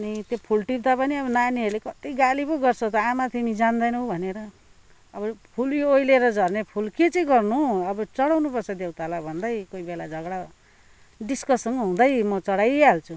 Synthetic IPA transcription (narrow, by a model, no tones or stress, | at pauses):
ʌnit̪jopʰulʈib̚d̪apʌniʌbʌnaniɦʌɾulekʌt̪iɡalipʌɡʌrt͡sʰʌt̪ʌamat̪imid͡zand̪ʌjnʌbʱʌneɾʌː | bʌpʰuljoojleɾʌd͡zʱʌrnepʰulket͡sʌ̃ɡʌrnuʌbʌt͡sʌɽawnupʌrt͡sʰʌd̪ewt̪alabʱʌnd̪ʌjkoibelad͡zʱʌɡɽa | ɖiskʌsʌŋɡʌɦũd̪ʌjmʌt͡sʌɽajalt͡sʰu